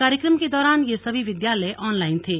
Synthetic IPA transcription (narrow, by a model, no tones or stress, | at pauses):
kaːɾjəkɾəmked̪ɔːɾaːnjesɐbʱiʋɪd̪jaːləeʔɔːnlaːɪnt̪ʰeː